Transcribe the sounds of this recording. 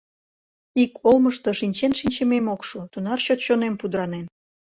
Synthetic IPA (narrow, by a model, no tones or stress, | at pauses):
ikolməʃt̪o̽ʃinʲt͡ɕenʃinʲt͡ɕememokʃot̪unɑrɕot̪ɕonempud̪ɾɑnen